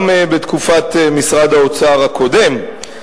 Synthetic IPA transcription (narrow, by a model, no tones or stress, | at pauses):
mbet̪kufat̪emisʁad̪aot͡saːʁhakʰo̞de̞m